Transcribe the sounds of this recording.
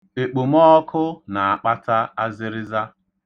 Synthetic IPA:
e˨k͡pu˨m˦ɔ˦kʰʊ˦na˨a˨k͡pa˦ta˦a˦zɪ˦ɾɪ˦za˦

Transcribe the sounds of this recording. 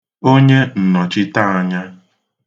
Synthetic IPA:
o˦ɲe˦n̩˨nɔ˨t͡ʃɪ˦ta˦a˨ɲa˦

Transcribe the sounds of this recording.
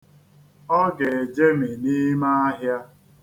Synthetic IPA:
ɔ˦ɡe˨e˨d͡ʒe˦me˨ni˦ma˦a˦ɦja˦

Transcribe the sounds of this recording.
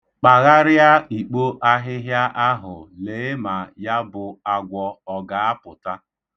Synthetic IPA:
k͡pa˨ɣa˦ɾja˦i˨k͡po˦ʔa˦ɦɪ˦ɦja˦ʔa˦ɦʊ˨leː˨˦ma˨ja˦bʊ˨a˦ɡʷɔ˦ɔ˨ɡa˨a˦pʊ˨ta˦

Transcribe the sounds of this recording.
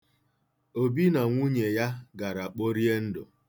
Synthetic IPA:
o˦˨bi˦na˨ŋʷu˦ɲe˨ja˦ɡa˨ɾa˨k͡po˦ɾi˦e˦n̩˦dʊ̰˨

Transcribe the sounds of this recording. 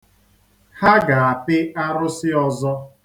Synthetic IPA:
ha˦ɡa˨a˨pɪ˦a˦ɾʊ˦sɪ˦ɔ˦zɔ˦

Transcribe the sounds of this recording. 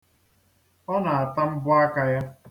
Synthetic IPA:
ɔ˦na˨a˨ta˦m̩˦bʊ˦a˦ka˦ja˦

